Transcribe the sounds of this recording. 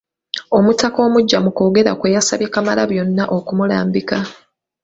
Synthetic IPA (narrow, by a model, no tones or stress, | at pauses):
o̞mutako̞ːmuɟːamuko̞ːɡe̞ɾa̰kwejasaβjekamalaβjo̞nːaʔo̞kumulaːmbika